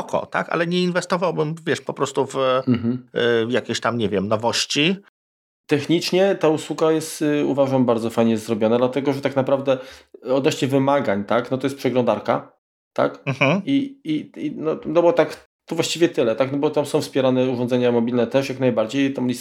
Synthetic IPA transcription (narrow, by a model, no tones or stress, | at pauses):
kʰɔ̰t̪a̰ka̰lɛɲɛinvɛst̪ɔvawbɘmvʲjɛʂpɔpɾɔst̪uvm̩ɦm̩jakʲeɕt̪amɲɛvʲjɛmnɔvɔɕt͡ɕi | t̪ɛxɲit͡ʂɲɛt̪auswuɡajɛst̪ṵvaʐambaɾd̪zɔfajɲɛzɾɔbʲjɔnad̪lat̪ɛɡɔʐɛt̪aknapɾavd̪ɛɔd̪nɔɕɲɛvɘmaɡaɲt̪aknɔt̪ɔjɛspʂɛɡlɔnd̪aɾka | t̪a̰km̩hm̩iiinɔnɔbɔt̪ak | t̪ɔvwaɕt͡ɕivʲjɛt̪ɘlɛt̪aknɔbɔt̪amsɔ̃w̃fspʲjɛɾanɛuʐɔnd̪zɛɲamɔbʲilnɛt̪ɛʂjaknajbaɾd͡ʑejt̪amɲʲis